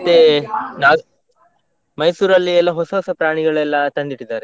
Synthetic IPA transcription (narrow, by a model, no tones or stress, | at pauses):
t̪ːenaː | mɐjsuːɾɐlːiɛlːɐɦɔsɐɦɔsɐpɾaːɳiɡɐɭɛlːɐt̪ɐnd̪iʈːid̪aːɾe